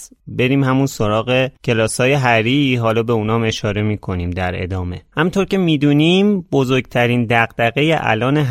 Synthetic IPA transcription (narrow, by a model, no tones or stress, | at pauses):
be̞ɾiːmhæmunso̞ɾɒːɣe̞cʰe̞lɒːsɒːje̞ɦæɾiːɦɒːlɒːbe̞uːnɒːme̞ʃɒːɾe̞miːkʰo̞niːmd̪æɾe̞̰d̪ɒːme̞̰hæmunt̪ʰoɾcʰe̞miːd̪uːniːmbo̞zoɾɡt̪ʰæɾiːnd̪æɣd̪̥æɣe̞jeʔæ̰lɒːneɦ